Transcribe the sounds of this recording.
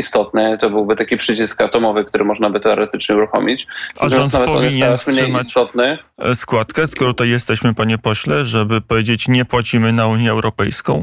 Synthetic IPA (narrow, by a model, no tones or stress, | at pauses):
ist̪ɔt̪nɛt̪ɔbɘwbɘt̪akʲipʂɘt͡ɕiskat̪ɔmɔvɘk̚t̪uɾʔɘmɔʐnabɘt̪ɛɔɾɛt̪ɘt͡ʂɲɛuɾuxɔmʲit͡ɕazɔmɔnt̪avɛtpɔvʲɛiɲɛnfsmʂeɪmat͡ɕst̪ɔt̪̚nɛskwat̪kɛskɾut̪ajːɛst̪ɛɕmɘpaɲɛpɔɕlɛʐɛbɘpɔvʲjed͡ʑet͡ɕɲɛpwat͡ɕimɘnauɲjɛːwɾɔpɛjskɔ̃w̃